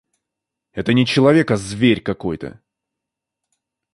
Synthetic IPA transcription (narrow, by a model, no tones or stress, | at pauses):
ɛt̪ənʲɪt͡ɕɪlˠɐvʲe̞kɐzvʲeɾʲkɐko̞jt̪ə̰